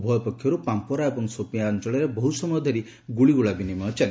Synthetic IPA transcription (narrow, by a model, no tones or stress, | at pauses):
bʱɔjɔpɔkʰːjɔɾupampɔɾaebɔŋsopijaɔnt͡ʃɔɭeɾebɔɦusɔmɔjɔd̪ʱɔɾi | ɡuɭiɡuɭabinimat͡ʃani